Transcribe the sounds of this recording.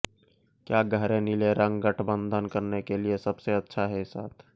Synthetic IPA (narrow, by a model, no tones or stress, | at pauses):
kjaːɡʱəɾẽnileɾə̃ŋɡɡəʈʰbə̃nd̪ʱənkəɾnekeliesəbseətːʃʰaɦɛsa̰ːt̪ʰ